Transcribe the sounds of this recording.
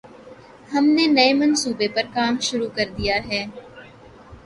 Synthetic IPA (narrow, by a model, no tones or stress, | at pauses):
həmneːnəeːmənsuːbeːpəɾkaːmʃʊɾuːkəɾd̪ɪjaːɦɛː